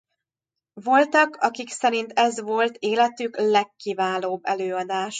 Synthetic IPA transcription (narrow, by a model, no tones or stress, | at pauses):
vo̞lt̪ɒkɒkiksɛɾint̪ɛzʋo̞lt̪eːlɛt̪yklɛkːivaːloːbːɛløːɒd̪aːʃ